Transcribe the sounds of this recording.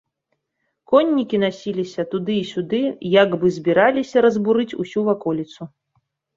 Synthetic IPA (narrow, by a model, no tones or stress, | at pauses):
kɔnʲːikʲinasʲilʲisʲɐt̪ud̪ɨːsʲud̪ɨjaɡbɨzʲbʲiɾalʲisʲɐɾɐzbuɾɨt͡sʲusʲuvakɔlʲit̪su